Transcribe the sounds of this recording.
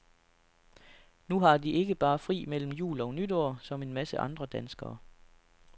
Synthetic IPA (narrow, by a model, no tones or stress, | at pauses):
nuɦɑ̈d̥iʔe̝ɡ̥əb̥ɑ̈ːfʁḭːmel̰m̩jṵːlɒ̽nyd̥oɐ̰sɒ̽me̝nmæsəʔɑ̈nd̥ʁɐd̥ænsɡ̥ɐː